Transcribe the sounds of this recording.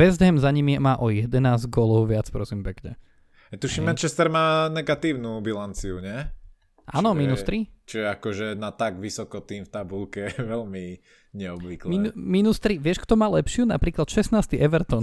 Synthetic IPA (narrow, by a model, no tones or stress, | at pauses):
ɛzd̪ɦɛmzaɲimimaːʔɔjɛd̪ɛnaːzɡɔlɔʊʋɪat͡spɾɔsimpɛkɲɛ̰ | ɛt̪uʃimɛnt͡ʃɛst̪ɛɾmaːnɛɡat̪iːʊnubilant͡siuɲɪɛ | ʔa̰ːnɔminust̪ɾit͡ʃɔɛakɔʒɛnat̪aɡʋisɔkɔt̪iːmft̪abulkɛʋɛlmi | ɲɛɔbʋiklmiuminust̪ɾiʋɪɛʃkt̪ɔmaːlɛpʃɪunapɾiːklat̪ʃɛsnaːst̪iʔɛʋɛɾt̪ɔn